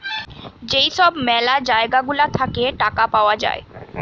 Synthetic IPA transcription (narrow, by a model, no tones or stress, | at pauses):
d͡ʑejʃɔbmɛlad͡ʑaeɡaɡulat̪ʰakeʈakapaoad͡ʑa̰e